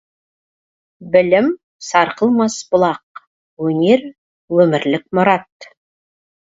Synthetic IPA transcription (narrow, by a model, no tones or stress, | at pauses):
bɪlɪm | sɑɾqəlˠmɑsbʊlˠɑq | wɵne̞ɾ | wɵmɪɾlɪk̚mʊɾɑt̪